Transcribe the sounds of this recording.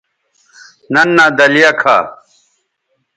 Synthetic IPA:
nɐnːaːd̪ɐlijɐkʰa̰ː

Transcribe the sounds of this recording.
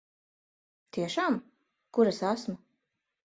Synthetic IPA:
t̪iɛʃaːm | kuɾasasma

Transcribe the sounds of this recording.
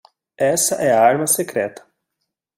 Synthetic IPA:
ɛsɐʔɛɐaɾmɐsekɾɛt̪ɐ̥

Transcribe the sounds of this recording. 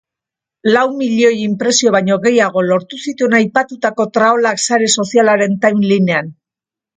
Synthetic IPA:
lawmiʎo̞jimpɾe̞sio̞βajɲo̞ɣe̞jaɣ̞o̞lo̞ɾt̪usit̪uenajpat̪ut̪ako̞t̪ɾaolaksaɾe̞so̞sialaɾe̞nt̪ajnline̞an

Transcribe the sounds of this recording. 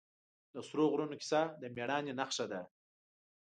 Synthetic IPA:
d̪əsɾoɣɾunokʲi̥sad̪əmeɽɑːnenaχʂad̪a

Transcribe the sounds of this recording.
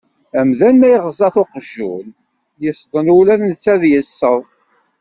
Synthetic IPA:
æmðænmæjʁzɑθoqʒːul | jəst̪ˤənulæðnt͡sːæðjəsːəðˤ

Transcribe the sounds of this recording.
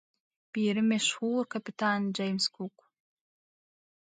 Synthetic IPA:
b̥iːɾɨmeʃχuːrkʰapitʰand͡ʒajmskʰukʷʼ

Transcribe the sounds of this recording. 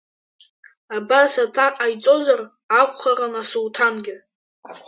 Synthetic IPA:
abasatʰaqʼajt͡sʼo̞zar | akʷʼχaranasuwtʰanɡʲɪ

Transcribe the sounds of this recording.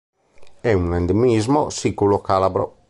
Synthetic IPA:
ɛunẽnd̪emizmosikulokalabɾo̰

